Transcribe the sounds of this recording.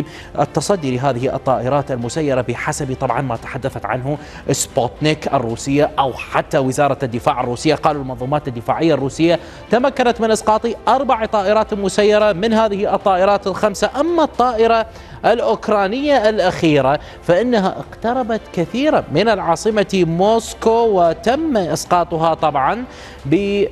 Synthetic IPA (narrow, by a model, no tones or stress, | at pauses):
ʔɪ̰t̪ːɑsˤɑd̪ːilɪɦaːðɪhiʔɨ̰t̪ˤːɑːʔɪɾˤɑːt̪almʊsajːɑɾˤɑbɪħasabit̪ˤɑbʕɑnmat̪ḁħad̪ːaθat̪ʕa̰nɦʊ | ʔɪsbot̪nikʔɪ̰rːuːsɪjːaʔawħat̪ːawɪzɑːɾˤɑd̪ːɪfaːʕɪrːuːsɪjːaqɑːlulmɑnðˤuːmaːt̪ɪd̪ːɪfaːʕɪjːarˤːuːsɪjːa | t̪amakːanat̪mɪnʔɪsqɑːt̪ˤiʔɑɾˤbaʕat̪ˤɑːʔɪɾˤɑːt̪ɪlmʊsajːɑɾˤɑmɪnɦaːðɪhiʔɨt̪ˤːɑːʔɪɾˤɑːt̪ɪlxamsaʔamːat̪ˤːɑːʔɪɾˤɑ | ʔɪlʔʊkɾˤɑːnɪjːaʔɪlʔaxiːɾa | faʔɪnːaɦa̰ʔɪ̰qt̪ɑɾˤɑbat̪kɪθiːɾamɪnɪlʕɑːsˤɨmamoːskowɪt̪amːaʔɪsqɑːt̪ˤʊɦɑt̪ˤɑbʕɑn | bɪ